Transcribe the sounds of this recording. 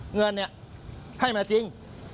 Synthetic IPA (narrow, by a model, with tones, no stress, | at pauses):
ŋɨ˨˩ənɛ˧˩˨ʔ | t̪ʰa˧˩jmaː˨˩t͡ɕi˧˦ŋ